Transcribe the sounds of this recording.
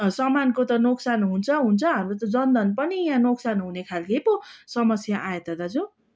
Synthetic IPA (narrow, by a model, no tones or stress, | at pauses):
sʌmankot̪ʌnoksanɦunt͡sʰʌɦunt͡sʰʌɦamɾot̪ʌd͡zʌnd̪ʌnpʌnijãnoksanɦunekʰalkeposʌmʌsjaʔajet̪ʌd̪ad͡zu